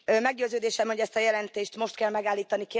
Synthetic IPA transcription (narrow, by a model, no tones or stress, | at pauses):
mɛɡ̚ɟøːzøːd̪eːʃɛmho̞ɟɛst̪ɒjɛlɛnt̪eːʃt̪mo̞ʃt̪kɛlmɛɡaːlːiːt̪ɒnike